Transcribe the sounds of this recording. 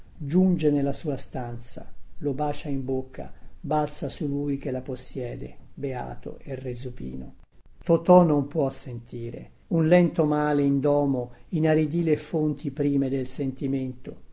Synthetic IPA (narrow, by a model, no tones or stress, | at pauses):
d͡ʒund͡ʒenelːasuːast̪ant̪sa̰lobaːt͡ʃaimbokʰːa̰balt̪sasulujk̟elaposːjɛːd̪ḛbea̰ːt̪o̰ʔerːezupḭːno̰ | t̪ot̪ɔnompwɔsːent̪iːɾḛ | unlɛnt̪omaːleind̪ɔːmoinaɾid̪iːlefont̪ipɾiːmed̪elsent̪iment̪o